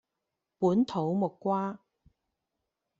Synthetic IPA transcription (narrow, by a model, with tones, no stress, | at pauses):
puː˨˥nt̪ʰo˨˥wmʊ˨kʷːwaː˥